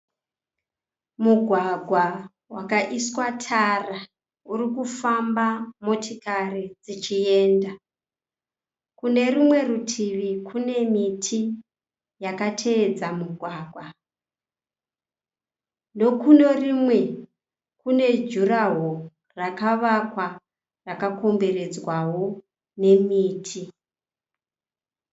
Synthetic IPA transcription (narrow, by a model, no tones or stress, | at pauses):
muɡʱwaɡʱwa | wakaʔiswatʰara | urikufambamo̞tʰikarid͡zit͡ʃie̞ːnda | kune̞rimwe̞rutʰiʋikʰune̞mitʰi | jakatʰe̞ːd͡zamuɡʱwaːɡʱwa | ndo̞kuno̞rimwe̞ | kune̞d͡ʒuɾaɦo | rakaʋakwa | rakako̞mbe̞re̞d͡zwawo̞ | ne̞miːtʰi